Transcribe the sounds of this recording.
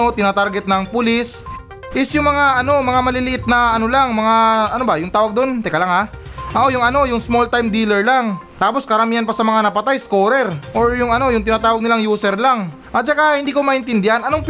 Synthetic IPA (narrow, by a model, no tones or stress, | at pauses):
o̞t̪ɪnaːt̪aɾɡɛt̪̚nɐŋpʊlis | ʔɪsjʊŋmɐŋaʔɐno̞mɐŋamɐlɪlɪʔɪt̪̚nɐʔɐno̞laŋmɐŋaɐnobɐjʊŋt̪aːwɐɡ̚d̪o̞nt̪ɛkɐlaŋha | ʔɐʔojʊŋɐno̞jʊŋsmo̞lt̪ajmd̪iːlɛɹlaŋt̪aːpo̞skɐɾɐmiːhɐnpɐsɐmɐŋanɐpɐt̪ajsko̞ːɾɛɾʔo̞ɹjʊŋɐno̞jʊŋt̪ɪnaːt̪aːwɐɡ̚nɪlaŋjuːsɛɾlaŋ | ʔɐt͡ʃɐkahɪnd̪iːkomɐʔɪnt̪ɪnd̪ɪhanɐnoŋp